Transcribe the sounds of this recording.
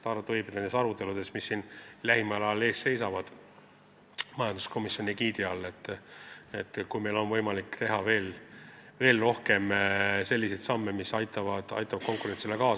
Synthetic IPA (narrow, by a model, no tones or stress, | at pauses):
t̪ɑɾut̪ːˑvɤjbet̪nensɑɾut̪ːˑe̞lud̪̥e̞smisːiːnlæhimɑlɑle̞ːstːe̞jsɑvɑd̪̥ | mɑjɑnd̪u̥sko̞misjo̞nikiːd̪iɑlːe̞t̪ːˑet̪ːkujme̞jlo̞nvɤjmɑlikˑːt̪e̞ɦɑve̞ːlve̞ːlro̞hke̞mse̞lʲːise̞jt̪sɑmːemisɑjt̪ːˑɑvɑd̪̥ɑ̰jt̪ːˑɑvɑd̪̥ko̞ŋkuɾe̞nsilekɑː